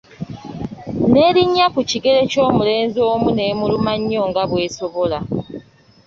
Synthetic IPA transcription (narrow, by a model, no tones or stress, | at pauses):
ne̞ːɾiɲːakuciɡe̞le̞co̞ːmule̞ːnzoːmune̞ːmulumaɲːo̞ːŋɡaβwe̞ːso̞βo̞la